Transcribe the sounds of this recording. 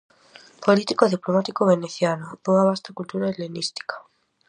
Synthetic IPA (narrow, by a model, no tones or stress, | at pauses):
polit̪ikoðiplomat̪ikoβeneθjanopoaβast̪akult̪uɾaelenist̪i̥kḁ